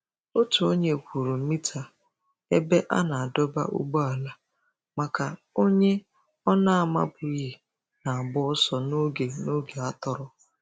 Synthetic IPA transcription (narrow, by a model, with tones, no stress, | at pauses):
o˦tu˨o˦ɲe˨kʷu˨ɾu˨˦mi˦tʰa˨ | e˦be˦ʔa̰˦na˨a˨dɔ˦ba̰˦ʔṵ˦ɡ͡bo˦a˨la˦ | ma˨ka˨ | o˦ɲe˦ | ɔ˦na˦a˨ma̰˦bʊ˨˦ji˨ | na˨a˨bʊ˦sɔ˨no˦ɡe˨no˦ɡe˨a˦tɔ˨ɾʊ˦